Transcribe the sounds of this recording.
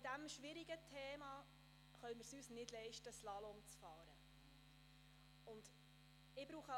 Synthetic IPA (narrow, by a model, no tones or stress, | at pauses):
d̥æmʃʋɪɾiɡətʰeːmɑ | χœmɪɾsyːsnɪd̥lɛɪʃtəslɑlɔmt͡sfɑːɾə | ʊnd̥̪ | ɪbɾuːχə